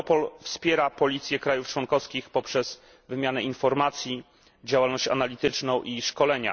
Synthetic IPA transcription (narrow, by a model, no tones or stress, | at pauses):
ɔpɔlfspʲjɛɾapɔlʲit̪sʲjɛkɾajuft͡ʂwɔŋkɔfskʲixpɔpʂɛz̥ | vɘmʲjanɛinfɔɾmat̪sʲji | d͡ʑawalnɔɕt͡ɕa̰nalʲit̪ɘt͡ʂnɔ̃w̃ʔiʂkɔlɛɲa̰